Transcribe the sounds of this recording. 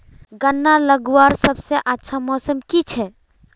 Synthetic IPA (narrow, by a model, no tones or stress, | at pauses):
ɡənːaləɡwaɾsəbseʔətːʃʰamɔsəmkit͡ʃʰɛ